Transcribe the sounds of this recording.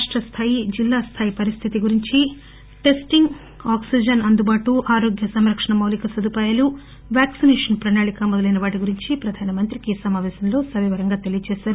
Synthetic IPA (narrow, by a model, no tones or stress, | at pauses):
aʂʈɾɐst̪ʰaːjid͡ʒilːaːst̪ʰaːjipɐɾist̪ʰit̪iɡuɾiɲt͡ʃi | ʈe̞sʈiŋɡ | aːksid͡ʒɐnɐnd̪ubaːʈuʔaːɾoːɡjɐsɐmɾɐkʂɐɳɐmɐwlikɐsɐd̪upaːjalu | ʋjaːksinɛːʂɐnpɾɐnaːɭikamɔd̪ɐlɐjnɐʋaːʈiɡuɾiɲt͡ʃipɾɐd̪ʱaːnɐmɐnt̪ɾikisɐmaːʋɛːsɐnlo̞ːsɐʋɛʋɐɾɐŋɡaːt̪e̞lijɐt͡ʃɛːʃaːɾu